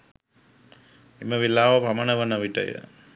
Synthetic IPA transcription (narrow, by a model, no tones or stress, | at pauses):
iməʋilːaːʋɐpɐmɐnəʋɐnɐʋiʈə̰jə̰